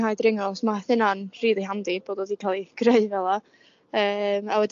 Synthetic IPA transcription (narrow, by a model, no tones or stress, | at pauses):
haːjdrɪŋɔsmaθɪnanr̥iːðˠiɦamdib̥oːdɔðikʰalˠiɡ̥reɨvɛlˠa | əːmawɛd